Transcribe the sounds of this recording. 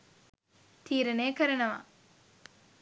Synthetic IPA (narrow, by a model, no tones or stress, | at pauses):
t̪ʰiːɾɐneːkəɾɐnəʋa̰